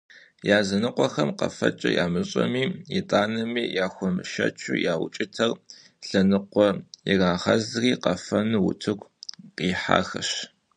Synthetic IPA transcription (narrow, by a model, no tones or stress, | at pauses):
jaːzɐnɨqʷʼɔxɐmqɐ̰fɐt͡ʃʼɐjaːmɨɕʼɐmiːjitʼaːnɐmiːjaːxʷɔmʃɐ̰t͡ʃʰujaːwʊt͡ʃʼɪtʰɐr | ɬɐnɨqʷɔjɪraːʁɐzriːqɐfɐnɨwʊ̰tʰɨɡʷqiːħa̰ːxɐɕ